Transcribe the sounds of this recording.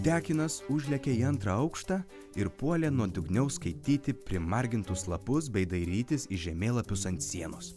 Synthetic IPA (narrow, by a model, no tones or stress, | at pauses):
d̪ʲæːkʲɪnɐsʊʒʲlʲɛkʲɛiːɐnt̪ɾɐɐʊkʃt̪ɑː | ɪɾpuɔlʲɛːnuɔd̪ʲʊɡnʲɛʊskɐɪt̪ʲiːt̪ʲɪpʲɾʲɪmɐɾʲɡʲɪnt̪ʊslˠɐpʊsbʲɛɪd̪ɐɪɾʲiːt̪ʲɪsiʒʲɛmʲeːlˠɐpʲʊsɐnʲt̪ʲsʲiɛnʊs